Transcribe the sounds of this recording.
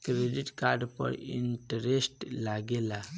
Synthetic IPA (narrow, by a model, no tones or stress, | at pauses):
kɾediʈkaɾɖpə̰ɾḭnʈəɾesʈlaɡela